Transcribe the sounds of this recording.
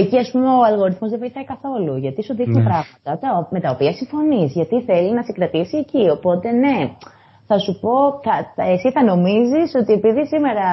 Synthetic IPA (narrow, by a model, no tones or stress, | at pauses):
eciɐspume̞oɐlɣo̞ɾiθmo̞zðevo̞jθɐikɐθo̞luʝɐt̪isuðinipɾɐɣmɐt̪ɐt̪ɐme̞t̪ɐopiɐsiɱfo̞nizʝɐt̪iθe̞linɐsikɾɐt̪isie̞cio̞po̞t̪e̞ne̞ | θɐsupo̞θɐesiθɐno̞miziso̞t̪ie̞piðisime̞ɾɐ